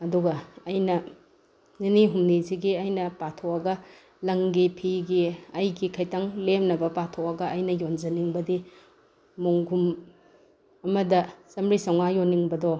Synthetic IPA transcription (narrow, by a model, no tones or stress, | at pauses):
ɐduɡɐːjnɐ | ŋiniɦumniziɡiɐjnɐpatʰowɐɡɐ | lɐŋɡipʰiɡiɐjɡikʰɐjtaŋlemnɐbɐpatʰoɐɡɐʔːjnɐjond͡ʒɐniŋbɐdi | muŋɡʱum | ɐmɐdɐsɐmɾisɐwŋajonːiŋbɐdo